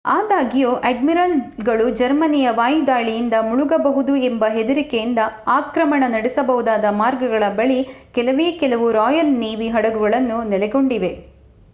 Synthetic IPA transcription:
aːd̪aːɡijoːʔeɖmiɾɐlɡɐɭud͡ʒɐɾmɐnijɐʋaːjud̪aːɭijind̪ɐmuɭuɡɐbɐɦud̪uembɐɦed̪uɾikejind̪ɐaːkɾɐmɐɳɐnɐɽisɐbɐɦud̪aːd̪ɐmaːɾɡɐɡɐɭɐbɐɭikɛlɐʋeːkɛlɐʋuɾɔːjɐlniːʋiɦɐɽɐɡuɡɐɭɐnːunɛlɛɡo̞ɳɖiʋe̞

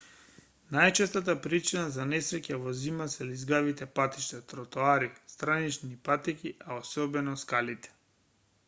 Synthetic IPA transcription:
najt͡ʃɛst̪at̪apɾit͡ʃinazanɛsɾɛcavɔzimasɛlizɡavit̪ɛpat̪i̥ʃt̪ɛt̪ɾɔt̪oaɾist̪ɾanit͡ʃnipat̪ikʲiʔaosɔbɛnɔskalit̪ɛ̥

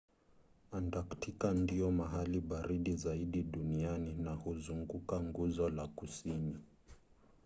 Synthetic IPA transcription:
andaktikandiɔmaɦaliɓaɾiɗizaiɗiɗunianinahuzuŋɡukaŋɡuzɔlakusini

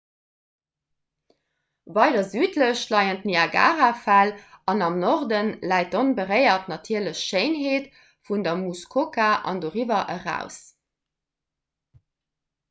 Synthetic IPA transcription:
vɑɪdɐzyːtləɕlɑɪəntniɑɡa̰ːʁafælɑnɑmnɔʁdənlæɪt̚onbəʁəɪɐtnɑtʰiːɐləɕʃeɪnɦeːt | fundɐmuskʰokaʔɑ̰ndoːʁivɐʔəʁæ̰ʊs

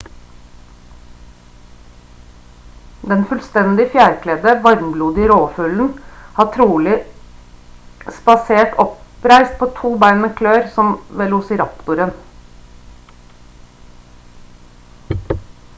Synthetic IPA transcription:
d̪ɛnfʉlst̪ɛnd̪ɪfjæːɾkʰlɛːd̪əʋɑɾmbluːd̪ɪɾoːfʉln̩hɑːʈʰɾuːlɪ | spɑseːʈʰɔpɾæɪst̪̚pʰoːt̪ʰuːbæɪnəkʰløːɾsɔmʋɛlʊsɪɾɑpt̪ʊɾən

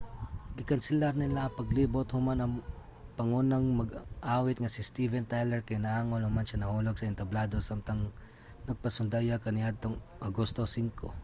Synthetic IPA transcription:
ɡɪkɐnsɪlaɾnɪlapɐɡliːbot̪hʊmanɐŋ | pɐŋunɐŋmɐɡʔaːwɪt̪̚ŋɐsɪst̪ivɛnt̪ajlɛɹkɐjnɐʔaːŋonhʊmanʃanɐhuːlɐɡ̚sɐɪnt̪ɐblaːd̪o̞samt̪ɐŋ | nɐɡ̚pɐsʊnd̪ajakɐnɪʔad̪̚t̪oŋ | ʔɐɡost̪osiŋko̰

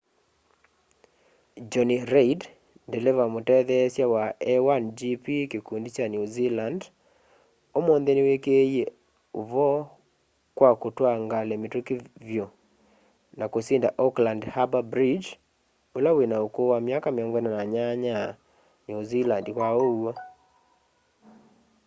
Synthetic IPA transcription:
d͡ʒɔniɾeid | ndɛlɛvamotɛðɛsjawaɛwand͡ʒipikikundit͡ʃanjuziland | omonðenewekeje | ovɔ | kwakotwaŋɡalɛmetokivjo | nakosindaʔɔklandhababɾid͡ʒ | olawenaokowamjakameɔŋɡwɛnanaɲaɲa | nuzilandkwaoa

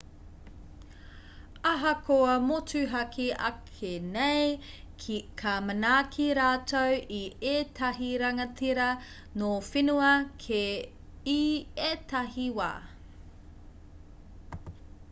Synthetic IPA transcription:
aɦɐkʰoɐmot͡sʰʉɦɐkʰiɐ̰kʰenej | kʰikʰamɐnaːkʰiɾaːtowietʰɐɦiɾɐŋɐt͡siɾɐ | nofinuɐkʰe | ietɐɦiwa̰ː

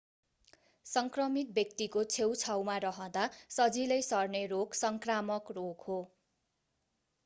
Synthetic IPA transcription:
sʌŋkrʌmit̪̚bjʌk̚t̪ikot͡sʰewt͡sʰawmaɾʌɦʌ̃d̪asʌd͡zilʌjsʌrneroksʌŋkramʌkroɡho

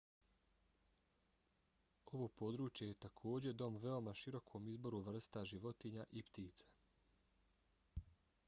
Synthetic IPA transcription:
o̞ʋo̞ːpo̞d̪ɾuːt͡ʃje̞je̞t̪akʰo̞ːd͡ʑe̞d̪o̞mʋe̞o̞maʃiɾo̞kʰo̞mizbo̞ɾuʋr̩st̪aʒiʋo̞t̪iɲaʔipt̪iːt̪se̥

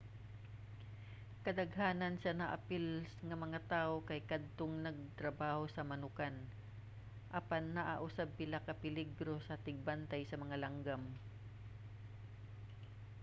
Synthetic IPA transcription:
kɐd̪ɐɡɦaːnɐnsɐnɐʔa̰pɪlsŋɐmɐŋat̪aːʔokɐjkad̪̚t̪oŋnɐɡ̚t̪ɾɐbaːhosɐmɐnʊkan | ʔɐpanːɐʔaʔʊsab̚pɪlakɐpɪlɪɡɾo̞sɐt̪ɪɡ̚bant̪ajsɐmɐŋalaŋɡam

